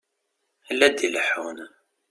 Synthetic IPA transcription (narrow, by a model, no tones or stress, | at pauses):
ælːæd̪iləħun